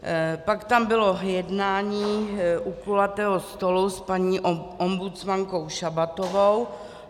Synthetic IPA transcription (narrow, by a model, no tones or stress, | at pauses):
pakt̪ambɪlo̞jɛdnaːɲiːʔuklulat̪ɛːɦost̪oluspaɲiːʔʔombut͡smaŋko̞wʃabat̪ovow